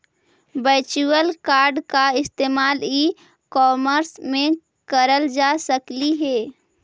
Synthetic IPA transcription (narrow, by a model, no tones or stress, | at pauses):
bəːt͡ʃuwəlkaːɾɖkaɪst̪eːmaːli | kɔːməɾsmẽ | kəɾəld͡ʒaːsəkliɦɛː